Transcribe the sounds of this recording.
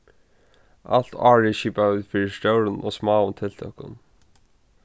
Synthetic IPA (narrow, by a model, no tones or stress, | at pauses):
a̰l̥t̪aːɹɪʃiːpavɪːðfiːɾɪst̪jowɾɪnʔɔ̰ːɣsmaːʊnt̪ʰɪl̥t̪ʰœhkʊ̰n